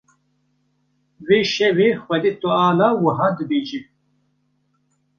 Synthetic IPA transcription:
wiɕewixwɐd̪it̪uaːlawuɦɐd̪bid͡ʑi

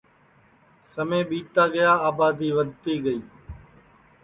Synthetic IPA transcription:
səmẽːɓiːt̪aːɡəjaːaːbaːd̪iːʋəd̪̚ʱt̪iːɡəiː

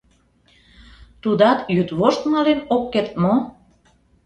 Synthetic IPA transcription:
t̪ud̪ɑt̪jyt̪βoʃt̪mɑlenokːert̪̚mo

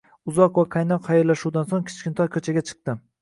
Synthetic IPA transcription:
ʊzɒqvaqʰajnɒqhajɒɾlːaʃuwd̪ansoŋkʲʰɪ̥t͡ʃkʲɪnt̪ʰɒjkʰɵt͡ʃʰaɡʲat͡ʃʰɨ̥q̚t̪ɪ

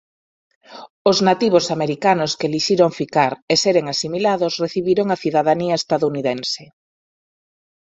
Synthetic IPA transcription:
ʊznat̪iβosameɾikanʊskeliʃiɾoŋfikaɾeseɾeŋasimilaðʊsreθiβiɾoŋaθiðaðaniɐest̪aðouniðense

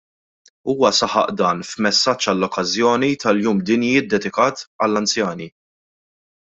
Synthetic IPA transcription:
uːwɐsɐħɐ̰ʔd̪ɐːnfmɛsːɐt͡ʃːɐlːɔkːɐzjɔːnit̪ɐljuːmd̪ɪnjjɪːt̪̚d̪ɛd̪ɪkɐːt̪ɐlːɐnt͡sjɐːni

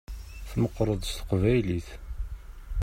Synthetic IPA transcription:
θməqːɾˤəðˤst̪ə̥qvæjliθ

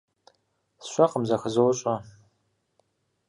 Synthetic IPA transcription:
sɕʷɐqəmzɐxəzɨwʊɕʼɐ

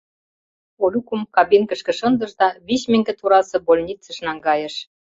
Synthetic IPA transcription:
olʲukumkɑbinkə̆ʃkĕʃɤ̆nd̪ɤ̆ʒd̪ɑβiɕmɘ̆ŋɡĕt̪uɾɑsɤ̆bolʲnʲit͡sə̆ʃnɑŋɡɑjə̆ʃ

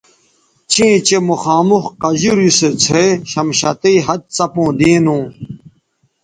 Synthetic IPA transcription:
t͡ɕĩːt͡ɕemuxaːmuxqɐd͡ʑuɾiset͡sʰeɕɐmɕɐt̪iiɦɐt̪̚t͡sɐpõːd̪ĩːnũː

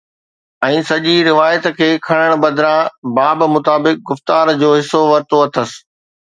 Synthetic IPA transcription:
ɛ̃ːsɐʄiɾɪʋaːjət̪kʰeːkʰɐɽ̃əɽ̃ɓɐd̪ɪɾãbaːbmʊt̪aːbɪk̚ɡʊft̪aːɾd͡ʑoːɦɪsːoʋɐɾt̪oɐt̪ʰəs̆

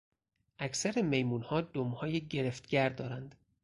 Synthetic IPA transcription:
ʔækʰsæɾeme̞jmuːnhɒːd̪omhɒːjeɟe̞ɾeft̪ɟæɾd̪ɒːɾænd̪̥

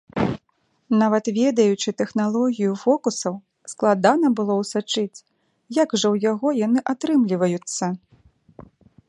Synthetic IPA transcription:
navɐt̪vʲɛd̪ɐjut͡ʂɨt̪ɛxnalˠɔɣʲijufɔkusɐw | sklˠad̪anɐbɨlˠɔwsat͡ʂɨt͡sʲ | jaɡʐɐwjaɣɔjanɨʔat̪ɾɨmlʲivɐjut̪sːɐ

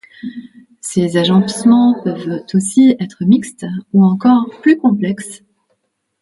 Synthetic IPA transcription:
sezaʒɑ̃smɑ̃pœvt̪osiɛt̪χəmikst̪uɑ̃kɔʁplykɔ̃plɛks

